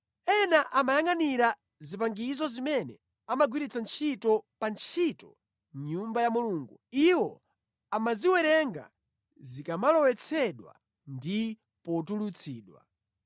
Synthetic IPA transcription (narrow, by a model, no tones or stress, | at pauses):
ɛnaʔamajaŋaniɾa | zip̬aŋɡizɔzimɛnɛ̰ | amaɡwiɾit͡sant͡ʃʰitɔpant͡ʃʰitɔ | m̩ɲumbajamuluːŋɡuiwɔ | amaziwɛɾɛŋɡa̰ | zikamalɔwɛt͡sʰɛɗwa̰ | ndi | pɔt̬ulut͡sʰiːɗwa̰